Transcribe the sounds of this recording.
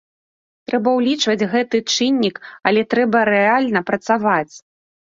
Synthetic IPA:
t̪ɾɛbɐwlʲit͡ʂvɐd͡zʲɣɛt̪ɨt͡ʂɨnʲːikɐlʲɛt̪ɾɛbɐɾɛalʲnɐpɾɐt̪savat͡sʲ

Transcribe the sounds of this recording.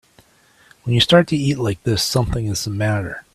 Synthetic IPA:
wə̃njɨstɑɹtʰɨitˡlaɪk̚ðɪsʌ̃mθɪ̃ŋɨzəmæɾə˞

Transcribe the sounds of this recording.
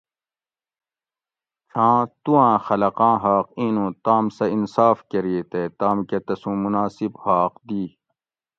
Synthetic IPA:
ʂʰãːt̪ũãːxɐlɐqãːɦaːqĩːnũt̪aːmsɐinsaːfkɐɾiet̪et̪aːmkɐt̪ɐsũːmunaːsibhaːqd̪iː

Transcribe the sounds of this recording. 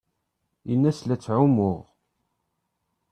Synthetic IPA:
inːæslæt͡sːʕʊmʊʁ

